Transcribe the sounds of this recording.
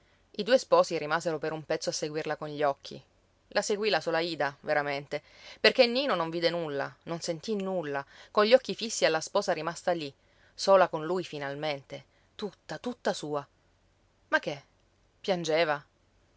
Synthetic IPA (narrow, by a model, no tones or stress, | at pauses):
id̪uːespɔːsiɾimaːzeɾopeɾumpɛt̪sːoasːeɡwirlakonʎɔkʰːḭ | lʔaseɡwilasoːlaiːd̪aveɾament̪eperkenːiːnonoɱviːd̪enulːa̰nonsent̪inulːakonʎːɔkːifisːialːaspɔːsaɾimast̪ali | soːlakonlujfinalment̪e | t̪ut̪ːat̪ut̪ːasuːa | makːe | pjand͡ʒeːva